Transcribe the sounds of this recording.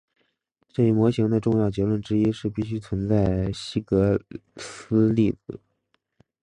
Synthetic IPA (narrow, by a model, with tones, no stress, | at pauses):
ʈ͡ʂɤ˥˩i˧˩mwɔ˧˥ɕi˧˥ŋd̪ə˧ʈ͡ʂʊ˥˧ŋjɑ˥˩ʊt͡ɕjɛ˧˥lwə˥˩nʈ͡ʂɻ̩˥i˥ʂɻ̩˥˧pi˥˩ɕy˥t͡sʰwə˧˥nt͡sa˥˩ɪɕi˥kɤ˧˥sɹ̩˥li˥˩d̩˨˩